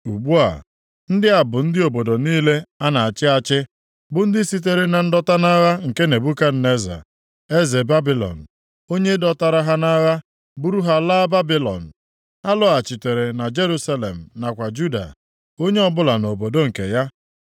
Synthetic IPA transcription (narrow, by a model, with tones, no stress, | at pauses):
u˨ɡ͡bu˦a̰˨ | n̩˦dɪ˦a˨bʊ˨n̩˦dɪ˦o˨bo˨do˨niː˦le˦a˦na˨a˨t͡ʃɪ˦a˨t͡ʃɪ˦ | bʊ˦n̩˦dɪ˦si˦t̬e˨ɾe˦na˨n̩˦dɔ˦ta˦na˦ɣa˦ŋ̩˨ke˦ne˨bu˦ka˦n̩˦˨ne˦za̰˨ | e˦ze˨ba˦bi˦lɔ̰˨n̩˨ | o˦ɲe˦dɔ˦ta˨ɾa˦ɦa˦na˦ɣa˦ | bu˦ɾu˦ɦa˦laː˦ba˦bi˦lɔ̰˨n̩˨ | a˦lʊ˦a˨t͡ʃi˨te˨ɾe˨na˨d͡ʒe˦ɾu˦sa˦lḛ˨m̩˨na˨kʷa˨d͡ʒu˦da̰˨ | o˦ɲe˦ɔ˦bʊ˦la˨no˨bo˨do˦ŋ̩˨ke˨ja˦